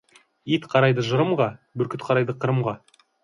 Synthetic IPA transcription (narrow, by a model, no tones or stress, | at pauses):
ijt̪qʰɑɾɑjd̪əʒəɾəmʁɑbɵɾkʲɪt̪qʰɑɾɑjd̪əqʰəɾəmʁɑ